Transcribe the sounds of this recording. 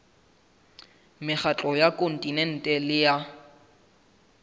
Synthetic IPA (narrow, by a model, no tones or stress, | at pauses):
mɪχat͡ɬʼɔjakʼon̩tʼinɛn̩tʼɛlɪja